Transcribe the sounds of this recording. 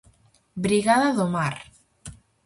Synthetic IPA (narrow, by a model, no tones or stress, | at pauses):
bɾiɣaðaðomaɾ